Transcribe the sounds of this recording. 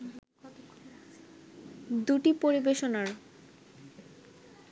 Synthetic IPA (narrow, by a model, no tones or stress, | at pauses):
d̪uʈipoɾibeʃonaɾ